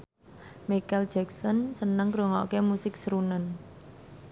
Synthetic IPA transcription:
mikɛld͡ʒɛksɔnsənəŋkɾoŋɔ̰ʔkemusɪk̚sɾunən

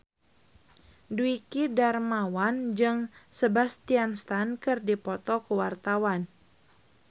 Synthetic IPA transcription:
duikidarmawand͡ʒɨŋsəbast̪ianst̪ankɨrdipɔt̪ɔkəwart̪awan

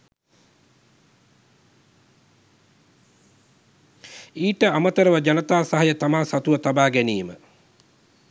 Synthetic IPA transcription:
iːʈəamət̪əɾəʋəd͡ʒanət̪aːsaɦajət̪amaːsat̪uʋət̪abaːɡæniːmə

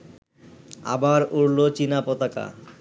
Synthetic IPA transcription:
a̰baɾuɾlot͡ɕinapɔt̪aka̰

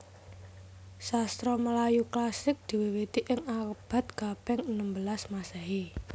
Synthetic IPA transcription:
sast̪ɾɔməlajuklasɪk̚d̪̥i̤wewet̪iʔɪŋab̥a̤t̪̚ɡ̥a̤b̥ɛŋnəmbəlasmasaɦi

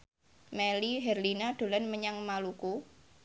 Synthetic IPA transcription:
mɛliɦɛrlinad̪̥o̤lanməɲaŋmaluku

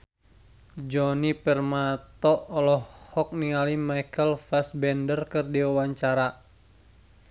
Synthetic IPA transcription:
d͡ʒɔnipɛrmat̪ɔːlɔhhɔk̚niŋalimajkəlfasbɛndərkɨrdiwawaɲt͡ʃaɾa

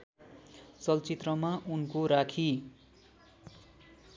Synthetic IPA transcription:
t͡sʌlt͡sit̪rʌmaʔunkoɾakʰi

